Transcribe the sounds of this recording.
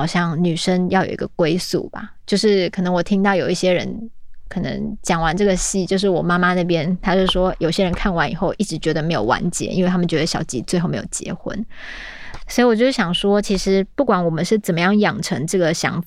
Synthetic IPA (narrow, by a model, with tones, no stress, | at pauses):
ɑ˨˩ʊɕjɑ˥˩ŋny˨˩ʂə˥ŋjɑ˥˩ʊjo̰˨˩ʊḭ˦ɡ̥ə̰˧kwe˥ɪsṵ˥˩ba̰˩t͡ɕjo˥˧ʊʂɻ̩˥˩kʰɤ˨˩nɤ˧˥ŋwɔ˨˩t̪ʰi˥ŋt̪ɑ˥˩ʊjo˨˩ʊi˥˩ɕjɛ˥ɻə̰˧˥nkʰɤ˨˩nə̰˧˥ŋt͡ɕjɑ˨˩ŋwa˧˦nʈ͡ʂɤ˥˩ɡə˩ɕi˥˩t͡ɕjo˥˧ʊʂ̬ɻ̩˥˩wɔ˨˩ma˥ma˦na˥˩pjɛ˥nt̪ʰa˥t͡ɕjo˥˧ʂɻ̩˥˩ʂwɔ˥jo˨˩ʊi˥ɕjɛ˥ɻə˧˥nkʰa˥˩nwa˧˦ni˨˩xo˥˧ʊʔi˥˩ʈ͡ʂɻ̩˧˥t͡ɕɥɛ˧˥d̪ə˧me˧˥ɪjo˨˩ʊwa̰˧˦nt͡ɕjɛ̰˧˦ḭ˥nwe˥˩t̪ʰa˥mə˨t͡ɕɥɛ˧˥d̪ə˧˩ɕjɑ̰˨˩ʊt͡ɕḭ˧˥t͡swe˥˧ɪxo˥˩me˧˥jo̰˥˨˩t͡ɕjɛ̰˧˥xwə̰˦n | swi˧wɔ˨˩t͡ɕjo˥˧ʊʂɻ̩˥˩ɕjɑ˨˩ŋʂwɔ˥t͡ɕʰi˧˥ʂɻ̩˧˦pu˥˩kwa˨˥nwɔ˨˩mə˦nʂɻ̩˥˩t͡sə˨˩nmə˩˦jɑ˥˩ŋjɑ˨˩ŋʈ͡ʂʰə˧˥ŋʈ͡ʂɤ˥˩ɡə˩ɕjɑ̰˧˥ŋ